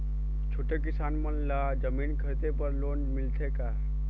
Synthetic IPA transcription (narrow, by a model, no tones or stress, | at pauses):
t͡ʃʰoːʈekɪsaːnmənla | d͡ʒəmiːnkʰəɾt̪epəɾloːnmɪlt̪ʰeka